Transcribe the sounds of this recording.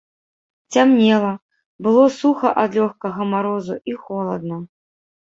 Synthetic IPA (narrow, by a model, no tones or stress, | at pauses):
t͡sʲamnʲɛlˠɐ | bɨlˠɔsuxɐʔad̪lʲɔxkɐɣɐmaɾɔzuʔixɔlˠɐd̪̚nɐ